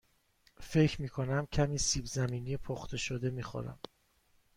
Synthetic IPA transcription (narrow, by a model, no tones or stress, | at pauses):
fe̞cʰɾmiːkʰonæmcʰæmiːsiːbzæmiːnijepʰoχt̪ʰe̞ʃod̪e̞miːxo̰ɾæ̰m